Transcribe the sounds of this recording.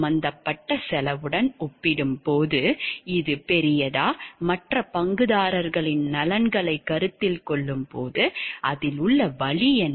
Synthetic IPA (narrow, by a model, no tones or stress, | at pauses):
mɐnd̪ɐpːɐʈːɐsɛlɐʋɯɽɐnɔpːɪɽɯmpoːðɯɪðɯpɛɾɪjɐðaːmɐʈrɐpɐŋɡɯðaːɾɐɾɣɐɭɪnnɐlɐnɡɐɭɐɪkːɐɾɯt̪ːɪlkɔɭːɯmpoːðɯʔɐðɪlʊɭːɐʋɐɭɪjɛn